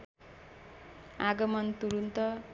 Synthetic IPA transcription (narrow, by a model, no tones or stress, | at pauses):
aɡʌmʌnt̪uɾunt̪ʌ